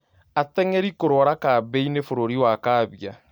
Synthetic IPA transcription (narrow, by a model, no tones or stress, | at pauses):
atɛŋɛɾikoɾoɔɾakabeinefoɾoɾiwakaːβja